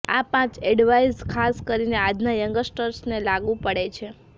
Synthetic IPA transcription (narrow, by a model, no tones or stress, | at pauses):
a̰pãt͡ʃɛɖʋaizkʰaskəɾinead͡ʒnajəŋɡəsʈəɾsnelaɡũpəɽet͡ʃʰe